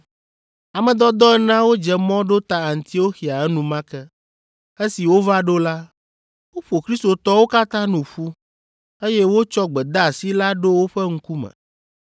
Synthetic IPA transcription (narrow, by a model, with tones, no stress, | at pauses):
a˨mɛ̃˨d̪ɔ˦d̪ɔ˦ɛ˦nã˦wo˦d͡ʒɛ˨mɔ̃˦ɖo˦t̪a˦a˨n̩˨t̪i˦wo˦xi˨a˨ɛ˦nũ˨mã˦kɛ˦ | e˦si˨wo˦va˦ɖo˦la˦ | wo˦ɸo˨kɾi˦st̪o˨t̪ɔ˦wo˦ka˦t̪ã˦nũ˨ɸu˦ | e˦jɛ˦wo˦t͡ʃɔ˦ɡ͡bɛ˨d̪a˦a˨si˦la˦ɖo˦wo˦ɸɛ˦ŋ̩˦ku˦mɛ̰̃˨